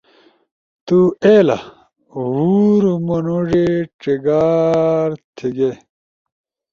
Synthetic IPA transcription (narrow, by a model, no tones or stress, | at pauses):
t̪ueːla̰ | ɦuːɾumunuʐeʈ͡ʂiɡaːɾt̪ʰiɡe